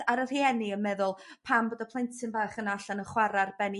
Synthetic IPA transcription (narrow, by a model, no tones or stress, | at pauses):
aɾər̥hiɛniənmɛðʊlˠpʰamboːdapʰlˠejntʰɪnbaːχənaɬanəχwaɾarbɛni